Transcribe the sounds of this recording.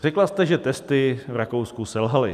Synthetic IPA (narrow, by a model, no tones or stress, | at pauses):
r̝̥ɛklast̪ɛʒɛt̪ɛst̪ɪvɾakowskusɛlɦalɪ